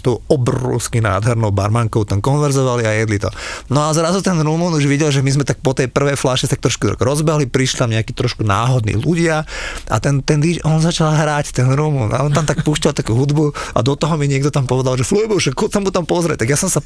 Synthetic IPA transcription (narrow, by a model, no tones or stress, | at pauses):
t̪ɔʊɔbrɔ̰ʊskina̰ːd̪ɦɛɾnɔʊbaɾmaŋkɔʊt̪amkɔnʋɛɾzɔʋaliajɛd̪lit̪ɔ̰nɔazɾazut̪ɛnɾuːmunuʒʋiɟɛlʒɛmizmɛt̪ak̚pɔt̪ɛjpr̩ʋɛjflaʃɛst̪ak̚t̪ɾɔʃkud̪ɾɔ̰ɡɾɔzbɛɦlipɾiʃlit̪amɲɛakiːt̪ɾɔʃkunaːɦɔd̪nḭːluɟɪaa̰t̪ɛnt̪ɛnd̪it͡ʃʔɔnzat͡ʃalɦɾact̪ɛnɾuːmunʔa̰ɔnt̪amt̪akpuːʃcalt̪akuːɦud̪buʔa̰d̪ɔt̪ɔɦɔmiɲɪɛɡd̪ɔt̪ampɔʋɛd̪alʒɛfluibuʃɛkkulsamut̪ampɔzɾɛ̰c̚t̪aɡjasɔmsa